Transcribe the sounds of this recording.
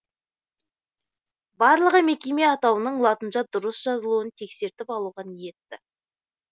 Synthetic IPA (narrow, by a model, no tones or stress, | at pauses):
bɑɾlˠəʁəme̞kʲe̞meɑt̪ɑwənəɴlˠɑt̪ənʃɑd̪ʊɾəsʒ̥ɑzəlˠuənt̪ʰe̞kse̞ɾt̪ɪpɑlˠuʁɑnije̞t̪ːɪ